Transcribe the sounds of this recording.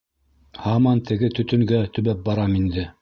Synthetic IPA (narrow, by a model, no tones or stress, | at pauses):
hɑmɑnt̪ʰɘ̆ɡɘt̪ɵ̆t̪ɵ̆ŋɡæt̪ɵ̆βæp̚bɑɾɑmind̪ɘ